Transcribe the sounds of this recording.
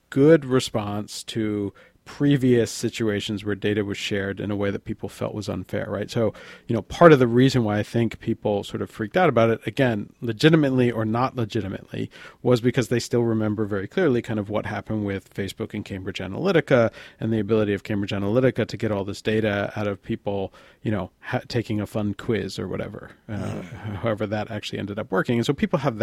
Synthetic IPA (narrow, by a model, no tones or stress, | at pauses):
ɡ̥ʊd̚ɹɨspɑ̃nstʰɨ | pʰɹ̥iviɨsɪt͡ʃʉeɪʃɨ̃n̩zwə˞deɪɾɨwʌz̥ʃɛɹɾɨ̰̃nəweɪðɨt̚pʰipl̩ˠfɛ̰lˠʔwʌzə̰̃nfɛ̰ɹɹa̰ɪtsoʊjɨnoʊpʰɑɹɾʌvðɨɹizɨ̃nwaɪaɪθɪ̃ŋkpʰipl̩ˠsɔɹɾʌv̥fɹik̚taʊɾəbaʊɾɨɾɨɡɛ̃nlɨd͡ʒɪɾɨmɨtˡliʔə˞nəʔˡləd͡ʒɪɾɨmɨ̰ʔˡlḭwʌzbɨkʰʌzðeɪstɪlˠɹɨmɛ̃mbə˞vɛɹikʰl̥ɪɹlˠikʰãɪ̃ndʌvwʌt̚hæpɨ̃nd̚wɪð̥feɪsb̥ʊkɨ̃nkʰẽɪ̃mbɹɨd͡ʒæ̰nə̰lɪɾɨkəɨ̃nðiɨbɪlˠəɾiʌv̥kʰẽɪ̃mbɹɨd͡ʒænəlɪɾɨkɨɾɨɡɛɾɔlˠðɪsd̥eɪɾɨa̰ʊɾʌv̥pʰipl̩ˠ | jɨñoʊhtʰeɪkɪ̃ŋɨfʌ̃nkʰw̥ɪzə̰˞wʌ̰ɾɛ̰və̰˞ | haʊɛvə˞ðɨɾʔæk̚t͡ʃʉl̩ˠḭʔɛ̰̃ndɨɾʌpwɜ˞kɪ̃ŋɨ̃nsoʊpʰipl̩ˠəvð